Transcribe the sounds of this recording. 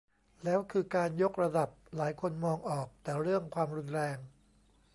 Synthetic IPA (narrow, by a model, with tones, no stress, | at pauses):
lɛː˦˥wkʰɯː˧kaː˧njo˦˥k̚ɾa˧da˨˩p̚laː˩˦jkʰo˧nmɔː˧ŋʔɔː˨˩k̚t̪ɛː˨˩ɾɯ˥˩əŋkʰwaː˧mɾu˧nɾɛː˧ŋ